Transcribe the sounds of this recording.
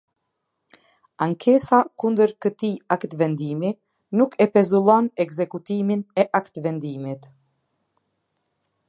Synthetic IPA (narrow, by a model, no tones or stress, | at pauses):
aŋkʰɛsakund̪əɾkət̪iakt̪vɛnd̪imi | nukʰɛpɛzulˠɔnɛɡzɛkut̪iminɛʔakt̪vɛnd̪imit̪